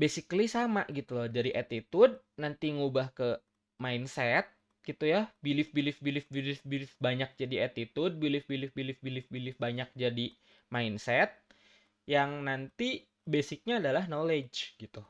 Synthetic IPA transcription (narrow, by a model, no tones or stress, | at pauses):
besɪklisamaʔɡit̪ulɔd͡ʒadiʔat̪it̪ʊd̚nant̪iŋubahkə | mainsɛt̪̚ | ɡ̥it̪ujabilɪfbilɪfbilɪfbilɪfbilɪfbaɲak̚d͡ʒadiat̪it̪ʊd̚bilɪfbilɪfbilɪfbilɪfbilɪfbaɲak̚d͡ʒadi | mainsɛt̪̚ | jaŋnant̪i | besɪk̚ɲaːdalaɦnoled͡ʒɡ̥it̪u